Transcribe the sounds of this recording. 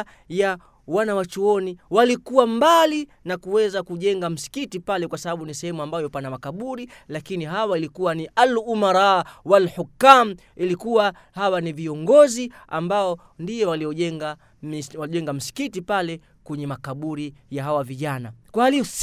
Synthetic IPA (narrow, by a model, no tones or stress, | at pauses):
ja | wanawat͡ʃuɔniwalikuwambali | nakuwɛzakuʄɛŋɡam̩si̥kitipalɛkwasaɓaɓunisɛhɛmuambajɔpanamakaɓuɾi | lakiniɦawailikuwaniʔalumaɾawalħukːam̩ | ilikuwa | hawaniviɔŋɡɔzia̰mbaɔ | ndijɛwaliɔʄɛŋɡa | mwaʄɛŋɡam̩si̥kitipalɛ | kwɛɲɛmakaɓuɾijaɦawaviʄanakwahaliɔs